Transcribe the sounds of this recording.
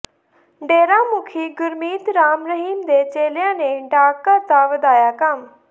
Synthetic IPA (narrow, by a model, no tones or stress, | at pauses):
ɖeːɾaːmʊkʰiːɡʊɾmiːt̪ɾaːmɾəɦiːmd̪eːt͡ʃeːljãːneːɖaːkaːt̪aːʋəd̪aːjaːkəm